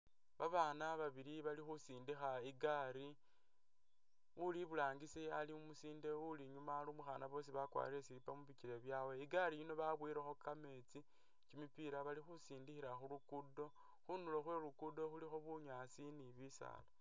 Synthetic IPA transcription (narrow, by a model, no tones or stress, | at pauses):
βaβaːnaβaβiɾiβalixusiːndixaiɡaɾi | uliβulaːŋɡisialiumusiːnde̞uliɲumalumuxaːnaβo̞s̬iβakwa̰ɾilesiɾipamuβiciɾe̞βjaːwe̞iɡaɾijino̞βaβwiɾexo̞kame̞t͡si | cimipiɾaβalixusiːndixiɾaxulukudo̞ | xunuloxwe̞lukudo̞xulixo̞βuɲaːsiniβisa̰la